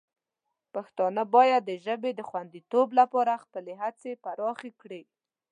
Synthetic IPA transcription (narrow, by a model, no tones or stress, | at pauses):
paxt̪ɑnəbɑjad̪ːəʒəbed̪əxwand̪it̪oblapɑɾaxpəleɦat͡sepaɾɑxekɽi